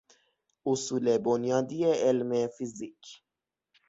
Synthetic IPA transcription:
ʔʊsuːlebonjɒːd̪iːeʔelmefizicʰ

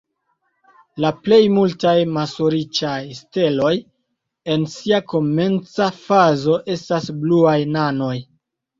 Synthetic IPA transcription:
laple̞jmultajmasoɾit͡ʃajste̞lo̞j | e̞nsiako̞me̞nt͡safazo̞ʔe̞stasbluajnano̞j

